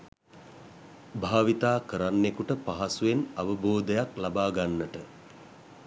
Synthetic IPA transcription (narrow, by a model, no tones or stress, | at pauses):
bʱaːʋit̪aːkəɾanːekuʈəpaɦasuʋenaʋəboːd̪əjaklabaːɡanːəʈə